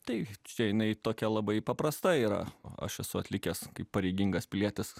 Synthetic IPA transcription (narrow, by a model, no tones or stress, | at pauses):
t̪ɐɪt͡ʃʲɛjɪnɐɪt̪oːkʲɛlˠɐbɐɪpɐpɾɐst̪ɐiːɾɐ̰ɐ̰ʃɛsʊɐt̪ʲlʲɪkʲeːskɐɪppɐɾʲɛɪɡʲɪŋɡɐspʲɪlʲiɛt̪ʲɪs